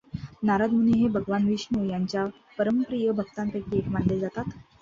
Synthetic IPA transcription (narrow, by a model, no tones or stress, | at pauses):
naɾad̪muneɦebʱəɡʋanʋiʂnojaɲt͡ɕja | pəɾəmpɾijəbʱəɡt̪anp̪ekiekmaɳled͡zat̪at̪